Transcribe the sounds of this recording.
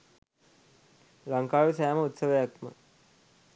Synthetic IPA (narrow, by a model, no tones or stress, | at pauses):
ɾaŋkaːjusajaməut̪səʋəjakmə̰